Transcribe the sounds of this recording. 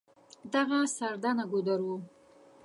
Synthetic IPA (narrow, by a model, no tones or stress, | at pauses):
d̪aɣasaɾd̪anaɡod̪aɾwu